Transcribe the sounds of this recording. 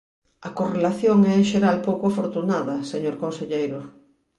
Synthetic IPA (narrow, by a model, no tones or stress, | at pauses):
ɐkorelaθjoŋɛeŋʃeɾalpowkoafoɾt̪unaðɐseɲoɾkonseʎejɾʊ